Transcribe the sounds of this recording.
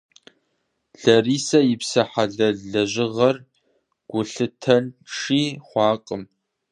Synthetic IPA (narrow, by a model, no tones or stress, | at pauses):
ɮ̥ɐriːsɐjɪpsɐħaɮɐɮɐʑɪʁɐr | ɡ̥ʷʊɬɨtʰɐnʂiːχʷɑːqʼəm